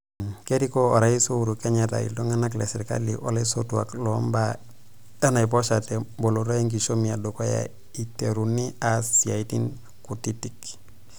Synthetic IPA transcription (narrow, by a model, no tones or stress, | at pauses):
keɾikoɔɾaisouɾukeɲata̰ḭldɔŋanaklɛsiɾka̰lḭʔɔlesotua̰klɔmba | danaipɔʃatɛboloɾojeŋk̬iʃomiadokoja̰ | iteɾuniasiaitin | kutitik